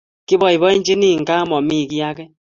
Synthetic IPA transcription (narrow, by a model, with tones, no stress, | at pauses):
kɪ˦bɔ˨i˨βɔ˦i˦ɲd͡ʒi˦ni˦˨ŋ̩˨ka˦mɔ˨mi˦˨ki˦ja˦kɛ˦